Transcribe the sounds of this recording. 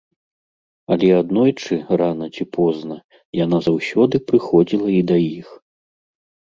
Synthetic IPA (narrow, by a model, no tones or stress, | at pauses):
ɐlʲɛad̪nɔjt͡ʂɨranɐt͡sʲipʰɔznɐ | janazawsʲɔd̪ɨpɾɨxɔd͡zʲilˠɐid̪ajix